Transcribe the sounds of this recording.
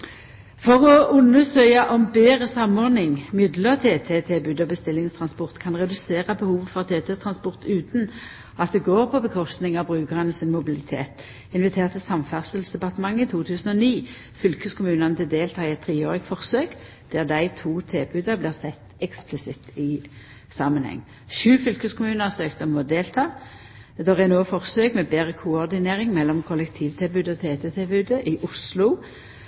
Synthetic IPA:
fɔʁɔʊnːəsœʏɑʔɔmbeːʁəsɑmɔʁnɪŋmʏd̪lət̪ʰeːt̪ʰeːt̪ʰebʉd̪ɔbəst̪ɪlːɪŋst̪ʰʁɑnspɔʁt̪kʰɑnʁɛd̪ʉseːʁəbəhuːʋfɔʁt̪ʰeːt̪ʰɛt̪ʰʁɑnspɔʁt̪ʉːt̪n̩ | ɑt̪̚d̪ɛɡoːʁpʰɔbəkʰɔst̪nɪŋɑbʁʉːkəʁɑnəsɪnmʊbɪlɪt̪ʰḛːt̪ | ɪnʋɪt̪ʰeːʁt̪əsɑmfæʁsəlsd̪ɛpɑʁt̪əmɑŋːɪt̪ʰuːt̪ʰʉːsn̩ɔniː | fʏlkəskʊmʉːnɑnət̪ʰɪld̪eːlt̪ʰɑːɪɛt̪ʰːʁiːøːʁɪkfɔʁsøːk | d̪̥æʁd̪æɪt̪ʰuːt̪ʰeːbʉːd̪əʁbliːʁsʰɛt̪ɛksplɪsɪt̪ɪ | sɑmənhɛ̰ŋː | ʃʉːfʏlkəskʰʊmʉːnəʁsøːkt̪əmɔd̪eːlt̪ʰɑː | d̪ɛʁɛnoːfɔʁsøːkmɛbeːʁəkʰʊɔʁd̪ɪneːʁɪŋmɛlːɔmkʰɔlɛk̚t̪ʰiːʋt̪ʰɪlbʉːd̪əɔt̪ʰeːt̪ɛt̪ʰɛlbʉːd̪əʔɪʔʊslʊ

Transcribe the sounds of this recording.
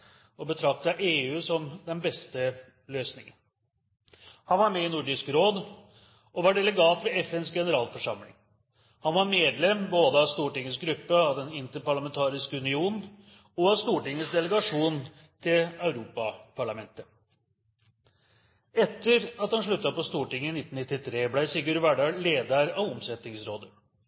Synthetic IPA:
ɔbət̪ʰɾɑk̚t̪ɑʔeːʉːsɔmd̪ɛnbɛst̪ə | løːsnɪŋən | hɑnʋɑɾmɛɪnuɖʏskɾoːd̪ | ɔʋɑɖɛləɡɑːt̪ʋɛɛfɛnsɡɛnəɾɑːlfɔʂɑ̰mlɪ̰ŋ | hɑnʋɑɾmeːd̪lɛmboːd̪əɑst̪uːʈɪŋːəsɡɾʉpːəɑʋd̪ɛnɪnt̪əpɑɭɑmɛnt̪ʰɑːɾɪskəʉnɪuːnn̩ | ɔɑst̪uːʈɪŋːəsd̪ɛləɡɑʂuːn | t̪ʰɪlœʉɾuːpɑpʰɑɭɑmɛnt̪ə | ɛt̪ːəɾɑt̪hɑnʂɭʉt̪ːɑpɔst̪uːʈɪŋːəɪnɪt̪ːn̩nɪt̪ːɪt̪ʰɾeːblæɪsɪɡʉɾʋæɖɑɡleːd̪əɾɑʋɔmsɛt̪ɪŋsɾoːd̪ə

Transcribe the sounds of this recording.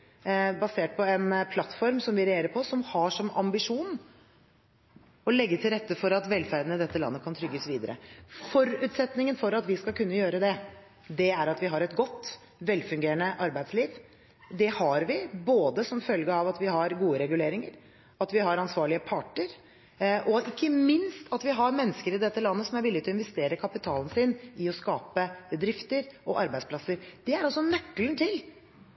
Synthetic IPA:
bɑseːʈ̚pʰɔɛnpʰlɑt̪fɔɾmsɔmʋɪɾɛeːɾəɾpʰɔsɔmhɑʂɔmɑ̰mbɪʂuːn | ɔlɛɡːət̪ʰɪlɾɛt̪ːəfɔɾɑt̪ʋɛlfæɾd̪ənəd̪ɛt̪ːəlɑ̰nːəkʰɑnt̪ʰɾʏɡːəsʋiːd̪əɾə̰fɔɾʉːt̪sɛt̪nɪŋənfɔɾɑt̪ʋɪskɑlkʉnːəjøːɾəd̪ɛ | d̪ɛæɾɑt̪ʋɪɦɑɾɛt̪ɡɔt̪ː | ʋɛlːfʉŋɡeːɾəɳnəʔɑɾbæɪd̪sliːʋ | d̪ɛhɑɾʋɪboːd̪əsɔmfœlɡəɑʋɑt̪ʋɪɦɑɾɡuːəɾɛɡʉleːɾɪŋəɾ | ɑt̪ʋɪɦɑɾɑnsʋɑːɭɪəpʰɑʈːəɾ | ʔɔɪkːəmɪnst̪ʰɑt̪ʋɪɦɑɾmɛnːəskəɾɪd̪ɛt̪ːəlɑnːəsɔmæɾʋɪlːɪɡt̪ʰɪɔɪnʋɛst̪eːɾəkʰɑpɪt̪ʰɑːln̩sinɪɔskɑːpəbəd̪ɾɪft̪əɾʔɔʔɑɾbæɪspʰlɑsəɾd̪̥ɛæɾɑsɔnœkːlənt̪ʰɪl

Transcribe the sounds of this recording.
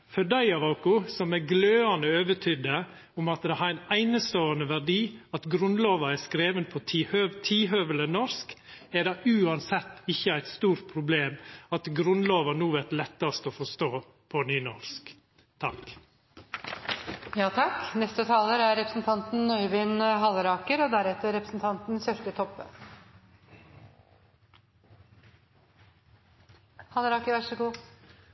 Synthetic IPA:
fœɖæɪɑʋɑʊkʊsɔmæɡløːɑnəøːʋət̪ʰʏd̪ə | ʊmɑt̪d̪ɛhɑɾæɪnæɪnəst̪oːənəʋæɾɖiːɑt̪ɡɾʉnloːʋɑɛskɾeːʋənpʰɔt̪ʰiːhøt̪ʰiːɦøːʋələnɔɾskɛɖɑʔʉːɑnsɛt̪ːɪçːəæɪt̪st̪uːɾt̪̚pʰɾʊbleːmɑt̪ɡɾʉnloːʋɑnuːʋɛt̪lɛt̪ːɑst̪ofɔst̪oː | pʰɔnyːnɔɾsk | t̪ʰɑk | jɑːt̪ʰɑknɛst̪ət̪ʰɑːləɾæɾɾɛpɾə̥sn̩t̪ʰɑnt̪n̩nœʏʋɪnɦɑləɾɑːkəɾɔd̪æɾɛt̪ːəɾɛpɾəsn̩t̪ʰɑnt̪n̩sɛft̪ət̪ʰɔpːə̰ | hɑləɾɑːkəɾʋæʂəɡuː

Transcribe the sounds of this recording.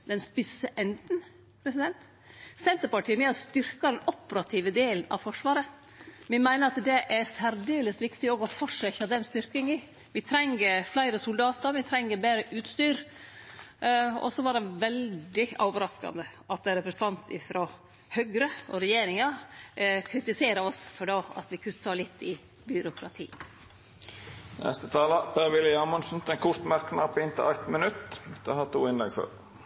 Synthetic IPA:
d̪ɛnspɪsəʔɛnd̪n̩ | pʰɾɛsɪd̪ɛnt̪ | sɛnt̪əɾpɑʈʰiːəʋɪɑst̪ʏɾkɑd̪ɛnɔpəɾɑt̪ʰiːʋəd̪eːlənɑ̰ʋfɔʂʋɑːɾə | ʋɪmæɪnəɾɑt̪d̪ɛʔæsæɾd̪eːləsʋɪkt̪ɪoɡɔfɔʂɛçɑd̪ɛnst̪ʏɾkɪŋi | ʋɪt̪ʰɾɛŋːəɾflæɪɾəsʊld̪ɑːt̪əɾʋɪt̪ʰɾɛŋːəɾbeːɾəʔʉːt̪st̪yːɾ | ɔ̰sɔʋɑɖɛʋɛld̪ɪɑːʋəɾɑskɑ̰nd̪əɑt̪̚d̪ɛɾɛpɾəsə̥n̩t̪ɑnt̪ʰɪfɾo | hœɡɾəɔ̰ɾɛjeːɾɪŋɑɾkʰɾɪt̪ɪseːɾəɾɔsfɔɖoːɑ̰t̪ʋɪkʰʉət̪ʰɑːlɪt̪ʰːɪ | bʏɾʊkɾɑt̪ʰḭː | nɛ̰st̪ət̪ʰɑːləb̥eːʋɪləɑːmɔnsn̩t̪ɛŋkʰʊʂt̪mæɾknɑpːɪnt̪ʰɪ̰lʔæɪt̪mənʉt̪ːd̪ɛhɑt̪ʰuːɪnlɛɡfø̰ːɾ

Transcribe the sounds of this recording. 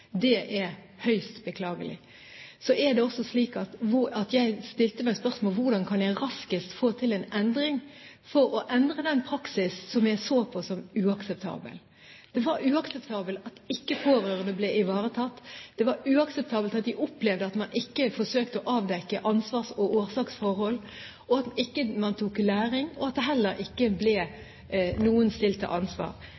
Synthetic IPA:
d̪ɛʔɛɾ | hœʏst̪bəkʰlɑːɡəlɪ̰ | sɔʔɛɾd̪ɛɔsːɔsliːkɑt̪ɑt̪jæɪst̪ɪlt̪əmæɪspœʁsmoːlʋʊʁd̪ɑnkʰɑnjæɪʁɑskɪst̪foːt̪ʰɪlɛnɛnd̪ɾɪŋ | fɔɾɔʔɛnd̪ʁəd̪ɛnpʰɾɑksɪssɔmjæɪsoːpʰɔsɔmʉːɑksɛp̚t̪ʰɑ̰ːbə̰l | d̪̥ɛʋɑɾʉːɑksɛpt̪ʰɑːbəlt̪ɑt̪ɪkːəpʰoːɾøːʁənəblɛɪʋɑːɾət̪ʰɑt̪ːd̪̥ɛʋɑɾʉːɑksɛp̚t̪ʰɑːbəlt̪ɑt̪̚d̪ɪʔʊplɛʋd̪əɑt̪mɑnʔɪkːəfɔʂøːkt̪əɔʔɑːʋd̪ɛkːəʔɑnsʋɑːʁsɔʔoːʁsɑːksfɔʁhɔl | ɔɑt̪ɪkːəmɑnt̪ʰuːkːlæːɾɪŋɔɑt̪̚d̪ɛɦɛlːəɾʔɪkːəblɛ | nuːənst̪ɪlt̪ʰːə̰ʔɑnsʋɑ̰ːɾ

